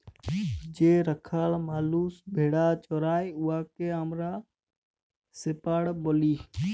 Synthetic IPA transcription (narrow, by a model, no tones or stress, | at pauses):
d͡ʒeːɾəkʰaːlmaːluːsbʱeːɽaːt͡ʃoːɾaːeʊaːkeəmɾaː | sepaːɽboliː